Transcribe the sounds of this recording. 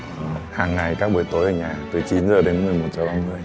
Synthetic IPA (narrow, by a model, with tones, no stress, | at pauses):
ʔhaː˨˩ŋːa˨˩jkaː˦˥k̚ɓu˧˩əjt̪o˨˦jʔəː˨˩ɲaː˨˩t̪ɨ˨˩t͡ɕi˨˦nzəː˨˩ɗe˨˦nmɨ˨˩əjmo˨˩t̚t͡ɕa˧˩ɓaː˧mɨ˧əj